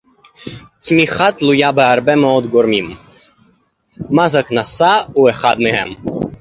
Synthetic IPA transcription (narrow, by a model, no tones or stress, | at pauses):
t͡smiχat̪lujabeaɾbɛmɛod̪ɡoɾmim | mazaknasaueχad̪mehɛ̰m